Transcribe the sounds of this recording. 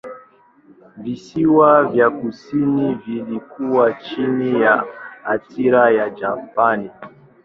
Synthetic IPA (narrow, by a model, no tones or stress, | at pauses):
visiwavjakusinivilikuwat͡ʃinijaatiɾajad͡ʒapani